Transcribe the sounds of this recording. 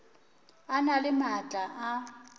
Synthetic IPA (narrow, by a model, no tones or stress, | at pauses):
analɪmat͡ɬʼaʔa